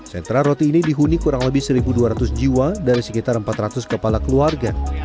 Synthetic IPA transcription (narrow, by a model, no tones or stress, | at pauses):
sɛnt̪ɾarot̪iːnidiɦunikuɾaŋləbɪhsəɾibuduaɾat̪ʊsd͡ʒiwadaɾisəkit̪arəmpat̪rat̪ʊskəpalakəluarɡa